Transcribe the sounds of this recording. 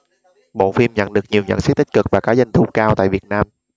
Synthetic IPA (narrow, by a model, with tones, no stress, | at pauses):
ɓo̰˧˨fi˧mɲə̰˧˨nɗɨ˨˩ək̚ɲi˨˩əwɲə̰˧˨nst̚t̪i˦˥k̟kɨ˨˩k̚vaː˨˩kaː˨˦zə˧˩ŋ̟t̪ʰu˧˩kaː˧wt̪a̰ː˧˨jvi˨˩ət̚naː˧m